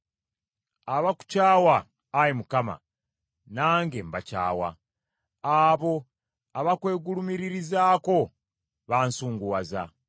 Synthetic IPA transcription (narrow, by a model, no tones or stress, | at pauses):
aβaku̥caːwaː | jimukama̰ | naːŋɡembaca̰ːwa̰ | aβo̞ | aβakwe̞ːɡulumiɾiɾizaːko̞ | βaːnsuːŋɡuwaza̰